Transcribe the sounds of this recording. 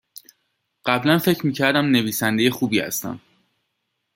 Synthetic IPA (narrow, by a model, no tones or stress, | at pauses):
ɢ̥æblænfe̞cʰɾmiːcʰæɾd̪æmne̞viːsænd̪e̞je̞xuːbiːhæ̰st̪æ̰m